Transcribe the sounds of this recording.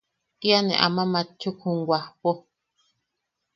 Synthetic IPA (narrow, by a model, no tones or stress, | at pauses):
t̪ianẽʔa̰mãmãt͡ʃʰːukʰũŋɡʷahpo